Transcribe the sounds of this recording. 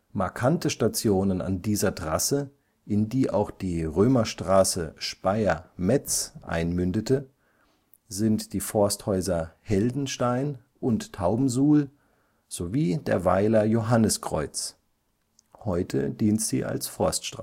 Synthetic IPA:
maɐkʰantəʃtat͡sjoːnəna̰ndiːzɐtʁ̥asə | ʔɪndiːʔa̰ʊxd̥iːʁøːmɐʃtʁ̥aːsəʃpaɪɐmɛt͡sʔa̰ɪnmʏndətə | zɪntd̥iːfɔɐsthɔʏzɐhɛldn̩ʃtaɪn | ʔʊnttʰaʊbm̩zuːl | z̥oviːdḛːɐvaɪlɐjoɦanəskʁ̥ɔ̰ʏt͡s | hɔʏtʰə̰d̥iːntz̥ḭːʔa̰lsfɔɐstʃtʁ

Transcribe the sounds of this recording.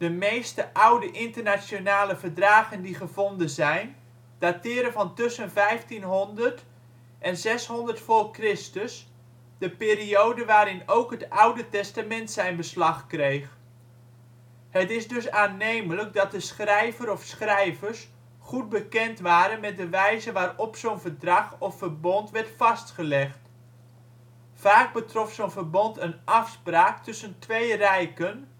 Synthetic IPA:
d̥əmejstəʔawdəʔɪntərnasjonaːləvərdraːɣəndiχəvɔndənzɛjn | d̥atɪːɾəvɑntʏsənvɛjftinɦɔndərt | ʔɛnzɛshɔndərtfɔlˠkrɪstəs | d̥əpɪːriowdəʋaːɾɪnowkɦətawdətɛstamɛntsɛjnbəslɑχkrejχ | hətɪsdɵsaːnejmələk̚dɑt̚dəsχrɛjvəɾɔfsχrɛjvərs | χut̚bəkɛntʋaːɾənmɛt̚dəʋɛjzəʋaːɾɔpsownvərdrɑχɔfːərbɔntʋɛɹtfɑstχəlɛχt | faːk̚bətrɔfsoːnvərbɔntənʔɑfspraːk̚tɵsəntʋejrɛjkən

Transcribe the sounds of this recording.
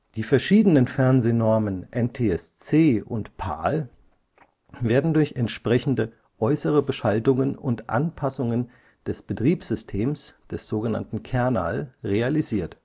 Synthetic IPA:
d̥iːfɛɐʃiːdənənfɛɐnzeːnɔɐmənʔɛntʰeːɛst͡seːʔʊntpʰa̰ːl | veːɐdn̩dʊɐçɛntʃpʁ̥ɛçn̩də | ʔɔʏsəʁ̞əbəʃaltʊŋənʊntʔa̰npʰasʊŋən | d̥ɛsb̥ətʁ̥iːpz̥ʏstʰeːmsd̥ɛsz̥oːɡəna̰ntn̩kʰɛɐna̰ːlʁealiziːɐt

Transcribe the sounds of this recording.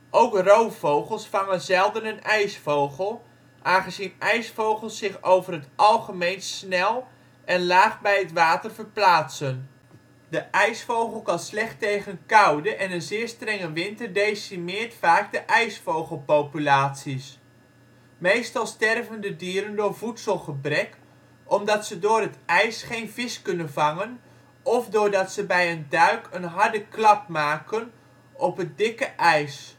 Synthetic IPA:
ʔowkrowfowχəlˠsfɑŋənzɛlˠdənənɛjsfowχəlˠ | ʔaːnχəzinʔɛjsfowχəlˠsːɪχowvərɦətʔɑlˠχəmejnsnɛlˠ | ʔɛnlaːχbɛjətʋaːtərvərplaːtsən | dəʔɛjsfowχəl̩ˠkɑnslɛχtejχənkɑwdəʔɛnənzɪːrstrɛŋəʋɪntərdejsimɪːɹtfaːɡ̚dəʔɛjsfowχəlˠpowpylaːtsis | mejstɑlˠstɛrvəndədiəɾəndʊːɹvutsəlˠχəbrɛk | ʔɔmdɑtsədʊːrətɛjsχejnvɪskɵnənvɑŋən | ɔfdʊːɹdɑtsəbɛjəndœɥkʰənɦɑɹdəklɑp̚maːkən | ʔɔpɦət̚dɪkəʔɛjs

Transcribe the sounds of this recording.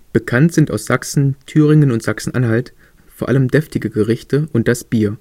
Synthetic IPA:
b̥əkʰantz̥ɪnta̰ʊsz̥aksn̩tʰyːʁ̞ɪŋənʊntz̥aksn̩ʔa̰nɦalt | foːɐʔaləmdɛftɪɡəɡəʁɪçtəʔʊnt̚d̥asb̥iːɐ

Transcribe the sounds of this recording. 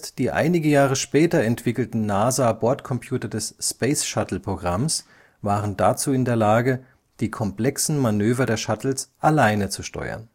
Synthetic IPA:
std̥iːʔa̰ɪnɪɡəjaːʁ̞əʃpɛːtɐɛntv̥ɪkl̩tn̩naːzaːbɔɐtkʰɔmpʰjuːtɐdɛsspeɪsʃatl̩pʁ̥oɡʁams | vaːʁəndat͡suːɪndeːɐlaːɡə | d̥iːkʰɔmpl̥ɛksn̩manøːvɐdeːɐʃatl̩sʔalaɪnət͡suʃtɔ̰ʏɐ̰n

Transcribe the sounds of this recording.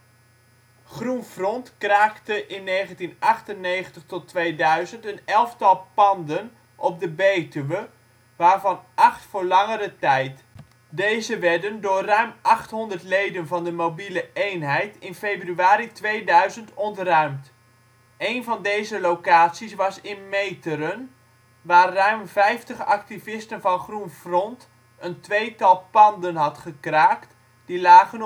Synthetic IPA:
χrunfrɔntkraːktəʔɪnːejχəntinʔɑχtənːejχəntəχtɔtʋejdœɥzəntənɛlˠftɑlˠpɑndən | ʔɔp̚dəbejtəʋə | ʋaːɹvɑnʔɑχtfʊːɹlɑŋəɾətɛjt | dejzəʋɛdəndʊːrœɥmʔɑχtɦɔndərtlejdənvɑndəmowbiləejnɦɛjtɪnfejbryaːɾitʋejdœɥzəntɔntrœɥmt | ejnvɑndejzəlowkaːtsisʋɑsɪnmejtəɾən | ʋaːrːœɥmvɛjftəχɑ̰k̚tivɪstənvɑnχrunfrɔnt | əntʋejtɑlˠpɑndənɦɑtχəkraːkt | d̥ilaːɣən

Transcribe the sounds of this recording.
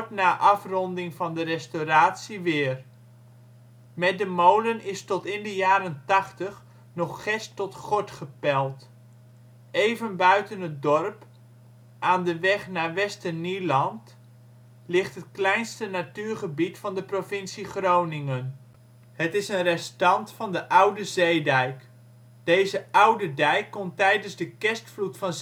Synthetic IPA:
tnaːʔɑfrɔndɪŋvɑndərɛstoɾaːtsiʋɪːər | mɛt̚dəmowlənɪstɔtɪndəjaːɾəntɑχtəχ | nɔχχɛstɔtχɔtχəpɛlˠt | ejvənbœɥtənɦət̚dɔrp | ʔaːndəʋɛχnaːɹʋɛstənilɑnt | lɪχtɦət̚klɛjnstənatyːɹχəbitfɑndəprofɪnsiχrownɪŋən | hətɪsənrɛstɑntfɑndəʔʌwdəzejdɛjk | d̥ejzəʔʌwdədɛjkːɔntɛjdənzdəkɛstflutfɑn

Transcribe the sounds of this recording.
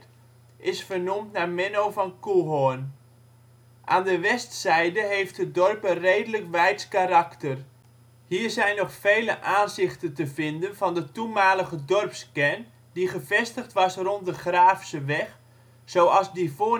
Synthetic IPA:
ʔɪsfərnumtnamɛnowvɑnkuɦɔn | ʔaːndəʋɛstsɛjdəɦejftɦət̚dɔrpərejdələkʋɛjskaraktər | hiːrzɛjnːɔχfejləʔaːnzɪχtəntəvɪndənvɑndətumaːləɣədɔrpskɛn | diχəvɛstəχtʋɑsrɔnt̚dəχraːfsəʋɛx | sowɑzdifoː

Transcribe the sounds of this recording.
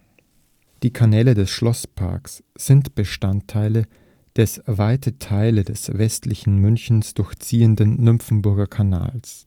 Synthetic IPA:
d̥iːkʰanɛːlədɛsʃlɔspʰa̰ɐks | z̥ɪntb̥əʃtantʰːaɪlə | d̥ɛsvaɪtətʰaɪlədɛsvɛstlɪçn̩mʏnçn̩sd̥ʊɐçt͡siːəndənːʏmpp͡fn̩bʊɐɡɐkʰana̰ːls

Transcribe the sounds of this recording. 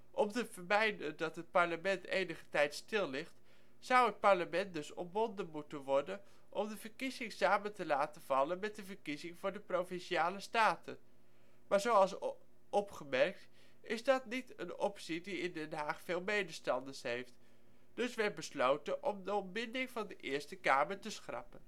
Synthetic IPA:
ʔɔmtəvəɹmɛjdəndɑtɦət̚pɑɹləmɛntḛjnəχə̥tɛjtstɪlˠːɪχt | sʌwət̚pɑɹləmɛnt̚dɵsɔ̰mbɔndənmutənʋɔɹdən | ʔɔmdəvəɹkizɪŋsaːməntəlaːtəv̥ɑlənmɛt̚dəvəɹkizɪŋvʊːɹdəprowvɪnʃiaːləstaːtə | maːɹzowɑlˠs | ɔpχəmɛɹk̚t | ɪzdɑtnitə̰nɔpsidiɪndɛnɦaːχfeːlˠmejdəstɑndəɹsɦejft | d̥ɵsʋɛɹt̚bəslowtənʔɔmdəɔmbɪndɪŋvɑndəʔɪːɹstəkaːməɹtəsχrɑ̰pən

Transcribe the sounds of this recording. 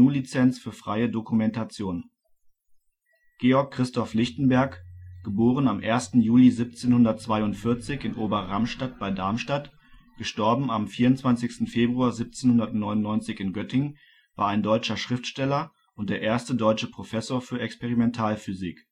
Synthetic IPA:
uːlit͡sɛnt͡sfyːɐfʁ̥a̰ɪədokumɛntat͡sjoːn | ɡ̥eːɔɐkʰːʁ̥ɪstɔflɪçtn̩bɛɐkɡ̥əboːʁənamʔeːɐstn̩juːlizip̚t͡seːnhʊndɐtt͡sv̥aɪʊntfɪɐt͡sɪçɪnʔoːbɐʁamʃtat̚b̥aɪdaɐmʃtat | ɡ̥əʃtɔɐbm̩amfiːɐʁʊntt͡sv̥ant͡sɪçstn̩feːbʁuaːɐzip̚t͡seːnhʊndɐtnɔʏnʊnːɔʏnt͡sɪçɪnɡœtʰɪŋ | va̰ːɐaɪndɔʏt͡ʃɐʃʁ̥ɪftʃtɛlɐ | ʔʊntd̥eːɐʔeːɐstədɔʏt͡ʃəpʁ̥ofɛsoːɐfyːɐɛkspeʁimɛntʰaːlfyziːk

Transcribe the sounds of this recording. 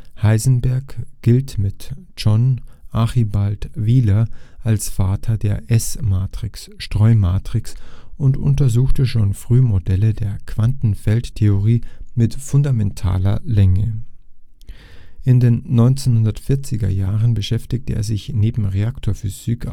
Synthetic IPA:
haɪzn̩bɛɐkɡ̥ɪltmɪt | d͡ʒɔnʔaχibaltviːlɐʔalsfaːtʰɐdeːɐʔɛsmaːtʁ̥ɪks | ʃtʁ̥ɔʏmaːtʁ̥ɪksʔʊntʔʊ̰ntɐzuːxtəʃoːnfʁ̥yːmodɛlədeːɐkv̥antn̩fɛlttʰeoʁiːmɪtfʊndamɛntʰa̰ːlɐlɛŋə | ʔɪndeːnːɔʏnt͡seːnhʊndɐtfɪɐt͡sɪɡɐ̰jaːʁənbəʃɛftɪk̚tʰəʔḛːɐzɪçneːbm̩ʁeaktʰoːɐfyz̥ik

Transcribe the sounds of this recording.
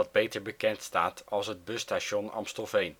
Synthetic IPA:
ɑd̚bejtəɹbəkɛntsta̰ːtʰɑlˠsɦəd̚bøstaʃɔnɑ̰mstɔlˠfejn

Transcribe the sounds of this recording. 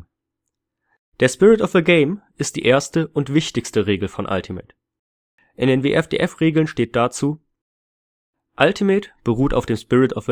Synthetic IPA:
d̥eːɐspɪʁɪtɔfəɡeɪmʔɪst̚d̥ḭːʔeːɐstəʔʊntv̥ɪçtɪçstəʁeːɡl̩fɔnʔa̰ltʰimḛːt | ʔɪndeːnveːʔɛfd̥ḛːʔɛfʁeːɡl̩nʃteːt̚d̥at͡suː | ʔaltʰimeːtb̥əʁ̞uːta̰ʊfd̥eːmspɪʁɪtʰɔfə

